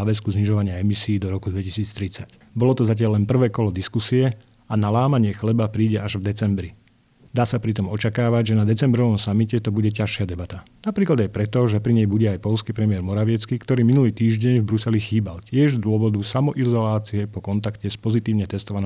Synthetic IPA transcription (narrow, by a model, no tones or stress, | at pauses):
ʋɛskuzɲiʒɔʋaɲɪaɛmisiːd̪ɔɾɔkud̪ʋɛcisiːt͡st̪ɾit͡sac | bɔlɔt̪ɔzacɪalːɛnpr̩ʋɛːkɔlɔd̪iskusiɛ | analaːmaɲɪɛxlɛbapɾiːɟɛʔaʒvd̪ɛt͡sɛmbɾi | d̪aːsapɾit̪ɔmɔt͡ʃakaːʋaɟʒɛnad̪ɛt͡sɛmbɾɔʋɔmsamicɛt̪ɔbuɟɛcaʃɪad̪ɛbat̪anapɾiːklad̪ajpɾɛt̪ɔʒɛpɾiɲɛjbuɟɛajpɔʎskiːpɾɛmɪɛɾmɔɾaʋɪɛt͡skikt̪ɔɾiːminuliːt̪iːʒɟɛɲvbɾusɛlixiːbalt̪ɪɛʒzd̪ʊɔʋɔd̪usamɔʔizɔlaːt͡siɛpɔkɔnt̪akcɛspɔzit̪iːʊɲɛt̪ɛst̪ɔʋanː